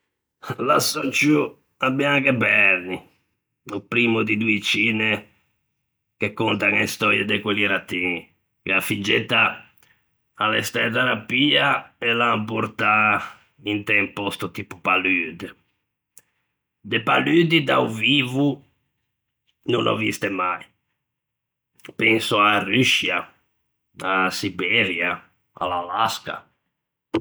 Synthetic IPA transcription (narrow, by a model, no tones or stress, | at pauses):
lasɔt͡ʃu | abiaŋkɛbɛɾni | upɾiːmud̪id̪uit͡ʃiːnɛ | kekːɔnt̪aŋɛst̪ɔɾjɛd̪ɛkweliɾat̪ːin | keafid͡ʒːɛt̪ːa | lɛst̪ɛt̪ɛɾapiːaɛlampɔɾt̪a | int̪ɛmpost̪ut̪ipupalyd̪ | d̪epalyd̪id̪awviːvu | nunʔo̰vist̪emaj | pɛŋsoaryʃja | asibɛɾja | a̰lalaska̰